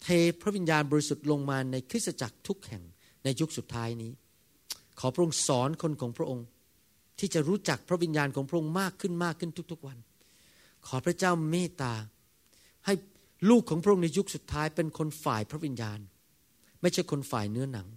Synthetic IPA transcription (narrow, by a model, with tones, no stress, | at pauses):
t̪ʰeː˧pʰɾa˦˥ʔwi˧njaː˧nbɔː˧ɾi˧su˨˩t̪̚lo˧ŋmaː˧na˧jkʰɯ˥t̪̚sa˧t͡ɕa˨˩k̚t̪ʰu˦˥k̚hɛ˨˩ŋ | na˧jːu˦˥k̚su˨˩t̪ʰːaː˦˥jniː˦˥ | kʰɔː˩˦pʰɾa˥ʔo˧ŋsɔː˩˦nkʰo˧nkʰɔː˩˦ŋpʰɾa˥ʔo˧ŋ | t̪ʰiː˥˩t͡ɕa˨˩ɾuː˦˥t͡ɕa˨˩k̚pʰɾa˦˥wi˧njaː˧nkʰɔː˩˦pɾa˥ʔo˧ŋmaː˥˩kʰːɯ˥˩nmaː˥˩kʰːɯ˥˩nt̪ʰu˦˥k̚t̪ʰu˦˥k̚wa˧n | kʰɔː˩˦˥pʰɾa˦˥t͡ɕaː˥˩wmeː˥˩t̪aː˧ | ha˥˩j | luː˥˩kʰːɔː˩˦pɾa˥ʔo˧ŋna˧ju˦˥k̚su˨˩t̪ʰːaː˦˥jpe˧nkʰo˧nfaː˨˩jpʰɾa˦˥wi˧njaː˧n | ma˥˩jt͡ɕʰa˥˩jkʰo˧nfa̰ː˨˩jnɯ˦˥ɐna˩˦ŋ